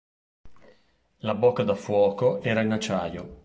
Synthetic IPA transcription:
labokːad̪afwɔːkoʔɛːɾainat͡ʃaːjo

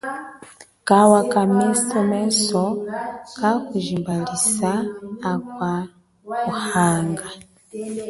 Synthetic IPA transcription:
kawakamistemesokakuʒimbalisaːkwa | kuhaːŋɡa

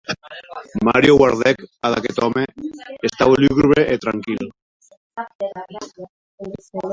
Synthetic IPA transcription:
maɾjoɣwaɾðɛkaða̰ket̪ɔmeest̪awlyɣɾβeʔet̪ɾaŋkil

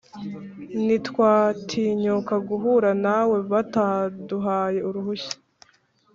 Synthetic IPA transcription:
nitkwaːtʰiːɲokaɡuɦuɾanawe̞βataduɦaːje̞uɾuɦuç̥i̥

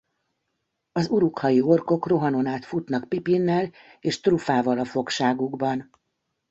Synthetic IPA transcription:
ɒzuɾukhɒjio̞rko̞kro̞ɦɒno̞naːt̪fut̪nɒkpipinːɛl | eːʃt̪rufaːvɒlɒfo̞kʃaːɡuɡbɒn

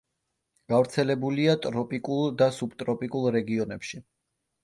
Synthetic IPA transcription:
ɡ̥avɾt̪sʰɛlɛbuliat̪ʼɾɔpʼikʼulˠd̪asubt̪ʼɾɔpʼikʼulˠɾɛɡiɔnɛpʃi

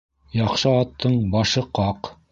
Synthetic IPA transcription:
jɑqʃɤɑt̪ʰːɤɴbɑʃɤqɑq

